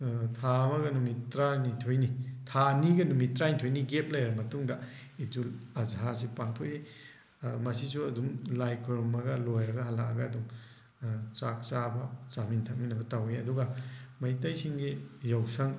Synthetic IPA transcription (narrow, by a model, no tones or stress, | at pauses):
tʰamɐɡɐnumitɾanitʰojnitʰaniɡɐnumitɾanitʰojniɡep̚lajɾɐmɐtuŋdɐ | id͡ʒulɐzas̬ipaŋtʰoʔe | mɐsisuɐdumlajkʰoɾmɐɡɐlojɾɐɡɐhɐlaɐɡɐːdum | t͡ʃak̚t͡ʃabɐt͡ʃamintʰak̚minɐbɐtaweɐduɡɐmɐjtajsiŋɡijawsɐŋ